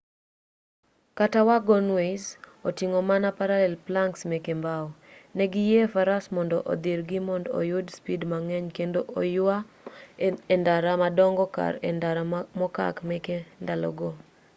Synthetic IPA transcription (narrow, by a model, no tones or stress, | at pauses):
katawaɡɔnwes | otiŋɔmanapaɾalɛlplaŋksmɛkembaɔnɛɡɪjefaɾasmɔndɔ̰ʔo̰d̪iɾɡimɔndo̰jʊdspidmaŋɛɲkendoʔojʊa | endaɾamadɔŋɡɔka̰ɾaɾamɔka̰kmɛkendalɔ̰ɡo